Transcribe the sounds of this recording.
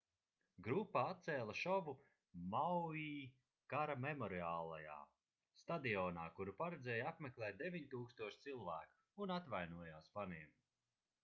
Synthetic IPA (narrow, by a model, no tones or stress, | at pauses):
ɡɾupːaat̪t̪sɛːlˠaʃɔvu | mawiː | kaɾamemɔɾiaːlˠaja̰ː | st̪ad̪iɔːnaːkuɾupaɾɛd̪zɛːjapmeklˠɛːt̪̚d̪evʲiɲt̪uːkst̪uɔʃt̪silˠvæːku̥ːnat̪vajnuɔjaːspaniɛm